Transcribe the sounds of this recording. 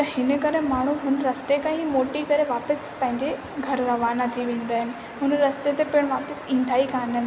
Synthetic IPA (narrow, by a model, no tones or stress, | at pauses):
t̪ɐhɪnə̆kɐɾemaːɳ̤uɦʊnəɾɐst̪ekãɦiːmoːʈikɐɾeʋaːpəspɐ̃ɦɪ̃ɲd͡ʑe | ɡʱɐɾɾɐʋaːnat̪ʰiʋẽːn̆d̪aːɦɪnɪ̆ | ɦʊnɾɐst̪et̪epɪɽ̃ʋaːpəsĩːn̆d̪ʱaːikaːnə